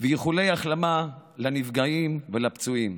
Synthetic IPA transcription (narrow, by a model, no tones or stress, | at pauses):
vejeχule̞jaχlamalanivɡaimvelapt͡suim